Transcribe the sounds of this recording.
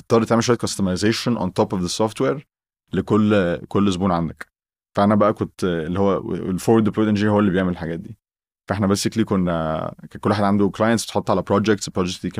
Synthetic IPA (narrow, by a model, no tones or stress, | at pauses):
et̪ˤːɑːɾt̪æʕmelʃwæjt̪kʰɑst̪ɑmajzeːʃonʔɑ̰nt̪ɑːpɔvðesɑft̪weːɾ | lekolːkolːz̬buːnʕand̪æk | fæʔænæbæʔækont̪elːihowːæḛḛlfowɾd̪epɾod̪ænd͡ʒiɾhowːælːibejeʕmelelħaɡæːt̪̚d̪iː | fæʔeħnæbeːseklikonːækækolːwaħad̪ʕand̪oklɑːjent̪sb̥et̪ħot̪ˤːʕalæpɾɑːd͡ʒek̚t̪spːɾɑːd͡ʒeksd̪iːk